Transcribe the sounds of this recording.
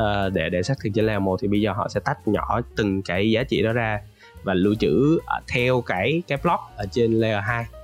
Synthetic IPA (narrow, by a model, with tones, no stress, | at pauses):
ʔəː˨˩ɗe˧˩ɗḛ˧˩sa˦˥k̚t̪̚ʰt͡ɕə˧˦lɛ˧mo˧˩t̪ʰi˨˩ɓə˧jzəː˨˩ɦɔ̰˧˨sɛ̰˧˥t̪a˦˥k̟̚ɲɔ˧˩˦t̪ɨ˨˩ŋkaː˨˦jzaː˨˦t͡ɕḭ˧˨ɗɔ˨˦zaː˧ | vaː˨˩lu˧t͡ɕɨ̰˧˥˨t̪ʰɛ˧wkaː˧˩jkaː˨˦jplɔ˦˥k̚ʔəː˧˩t͡ɕe˧nlɛ˧a˧˩ɦaː˧j